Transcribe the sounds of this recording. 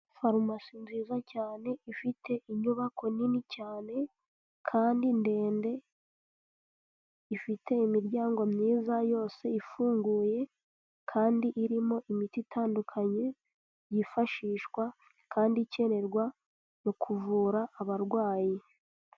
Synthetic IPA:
faɾmasinzizacaːne̞ifitʰe̞ʔiɲuβakʰo̞ninicaːne̞ | kʰaːndinde̞ːnde̞ | ifitʰe̞imiɾɟaːŋɡo̞mɲiːzajo̞ːse̞ifuːŋɡuːje̞ | kʰaːndiʔiɾimo̞ʔimititʰaːndukʰaɲe̞ | jifaʃiːʃkwa | kʰaːndice̞ɾe̞ɾɡwa | nokʰuvuːɾaːβaɾɡwaːji

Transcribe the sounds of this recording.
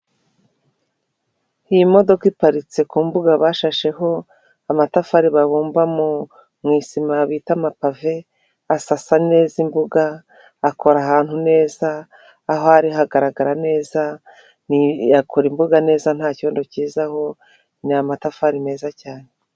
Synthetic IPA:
ijimo̞do̞kipaɾit͡se̞kuːmbuɡaβaːʃaʃe̞ɦo̞ | amatafaɾiβaβuːmbamu | mŋiːsimaβiːtamapave̞ | asasane̞ːzimbuɡaː | kʰo̞ɾaɦaːn̥hune̞ːzaː | ɦoaɾiɦaɡaɾaɡaɾane̞ːza | nijakʰoɾimbuɡane̞ːzan̥haːco̞ːndociːzaho̞ | niamatafaɾime̞ːzacaːne

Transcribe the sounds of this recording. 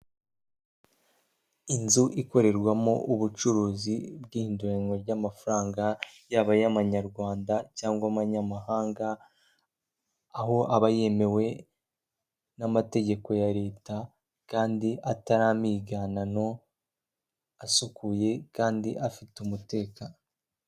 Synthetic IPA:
inzuʔiko̞ɾe̞ɾɡwamoʔuβut͡ʃuɾuːzibɡiːhiːnduɾeŋɡo̞ɾɟamafaɾaːŋɡajaβajaβaɲaɾɡwaːndacaːŋɡwamaɲamaɦaːŋɡa | ɦo̞ʔaβaje̞me̞we̞ | namate̞ɟe̞ko̞jaɾe̞ːta | kaːndiʔataɾaːmiːɡanano̞ | asukuje̞kaːndiʔafitumute̞ːka

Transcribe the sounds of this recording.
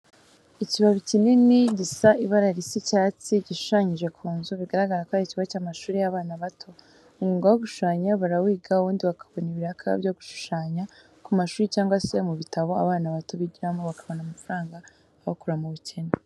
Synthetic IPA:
iciβaβicininiɟisaiβaɾaɾisicaːt͡siɟiʃu̥ʃaɲiʒe̞kʰuːnzuβiɡaɾaɡaɾakwaiciβat͡ʃaːmaʃuːɾejaβaːnaβatʰo̞ | umɡuːŋɡawoɡuʃu̥ʃaːɲaβaɾawiːɡauβuːndiβakʰḁβo̞niβiɾakʰa̰vjoɡuʃu̥ʃaːɲa | kumaʃuːɾit͡ʃaːŋɡwase̞muβitaβo̞a̰βaːnaβato̞βiɟiɾamoβakʰaβo̞namafaɾaːŋɡaː | βakuɾamuβucʰena

